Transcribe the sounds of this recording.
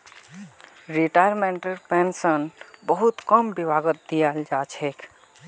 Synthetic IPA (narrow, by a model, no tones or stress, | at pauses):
ɾiʈaɾmeɳʈəɾpensənbəɦut̪kəmbibʱaɡət̪̚d̪ijald͡ʒat͡ʃʰekʰ